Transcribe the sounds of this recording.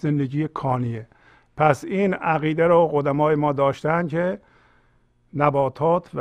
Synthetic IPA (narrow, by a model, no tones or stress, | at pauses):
zend̪eɟiːekʰɒːnie | pʰæsiːnæɣiːd̪eɾoɣod̪æmɒːjemɒːd̪ɒːʃt̪æænd̪kʰe | næbɒːt̪ʰɒːt̪ʰv